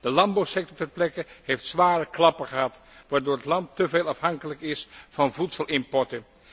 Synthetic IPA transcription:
d̥əlɑmbowsɛk̚tɔɹtɛrplɛkəɦejftsʋaːrəklɑpəχəɦɑt | ʋaːɹdoːɹətlɑntːəveːlˠɑfɦɑŋkələkɪsfɑnvutsəlˠɪmpɔɹtən

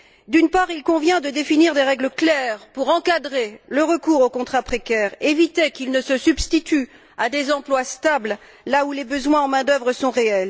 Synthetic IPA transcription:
d̪ynpaʁilkɔ̃vjɛ̃d̪əd̪efiniʁd̪eʁɛɡləklɛʁpuʁɑ̃kad̪ʁeləʁəkuʁokɔ̃t̪χapχekʲɛʁevit̪ekilnəsəsybst̪it̪y | ad̪ezɑ̃plwast̪abl | laulebəzwɛ̃ɑ̃mɛ̃d̪œvʁəsɔ̃ʁeɛl

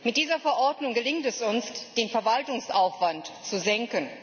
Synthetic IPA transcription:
mɪt̚d̥iːzɐfɛɐʔɔɐdnʊŋɡəlɪŋtɛsʊnsd̥eːnfɛɐvaltʊŋsʔaʊfv̥antt͡suzɛŋkən

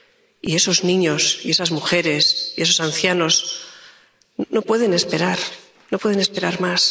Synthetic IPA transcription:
ḭe̞so̞znĩɲo̞sie̞sazmuxe̞ɾe̞sie̞so̞sanθjano̞s | no̞pwe̞ðe̞nespe̞ɾaɾ | nopwe̞ð̞e̞ne̞spe̞ɾaɾmas

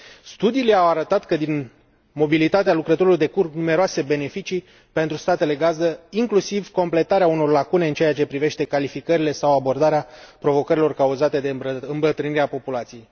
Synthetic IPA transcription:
st̪ud̪ileawaɾət̪at̪kəd̪in | mo̞bilit̪at̪ealukɾət̪o̞ɾulojd̪e̞kurknume̞ɾoase̞be̞ne̞fit͡ʃi | pe̞nt̪ɾust̪at̪e̞le̞ɡazəiŋklusivko̞mple̞t̪aɾeauno̞rlakune̞ɨnt͡ʃeaat͡ʃe̞pɾive̞ʃt̪e̞kalifikəɾile̞sawabo̞rd̪aɾeapɾo̞vo̞kəɾilo̞rkauzat̪e̞d̪eɨmbət̪ɾɨniɾeapo̞pulat̪sije̞j

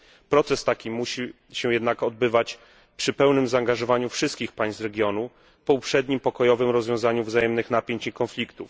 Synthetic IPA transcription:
pɾɔt̪sɛst̪akʲimuɕi | ɕɛjɛd̪nakɔd̪̚bɘvat͡ɕ | pʂɘpɛwnɘmzaːŋɡaʐɔvaɲufʂɘst̪kʲixpaj̃szɾɛɡʲjɔnu | pɔupʂɛd̪ɲimpɔkɔjɔvɘmɾɔzvjɔ̃zaɲuvzajɛmnɘxnapʲjeɲt͡ɕikɔnflʲikt̪uf

